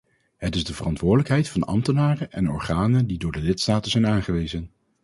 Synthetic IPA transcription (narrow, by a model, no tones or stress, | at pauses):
ɦətɪzdəvərɑntʋʊːɹdələkɦɛjtfɑnɑ̰mtənaːrəʔɛnɔ̰ɹχaːnəndidʊːɹdəlɪtstaːtənzɛjnaːnχəʋejzən